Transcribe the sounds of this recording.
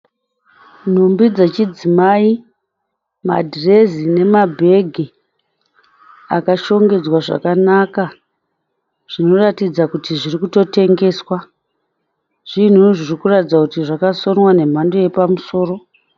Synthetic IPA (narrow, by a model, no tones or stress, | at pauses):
n̤umbid͡zet͡ʃid͡zimaːi | ma̰dʱire̞zine̞mabʱe̞ɡʱi | akaʃo̞ŋɡe̞d͡zwaʐa̰kanaka | ʐ̥ino̞ratid͡zakutiʐirikuto̞te̞ŋɡe̞ːswa | ʐ̥in̤uʐirikuratid͡zwakutiʐakaso̞nwane̞m̤ando̞je̞pamuso̞ːro̞